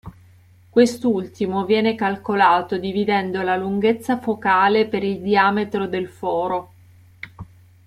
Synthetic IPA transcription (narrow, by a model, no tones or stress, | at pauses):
kwest̪ult̪imovjɛːnekalkolaːt̪od̪ivid̪ɛnd̪olaluŋɡet̪sːafokaːlepeɾild̪iaːmet̪ɾod̪elfɔːɾo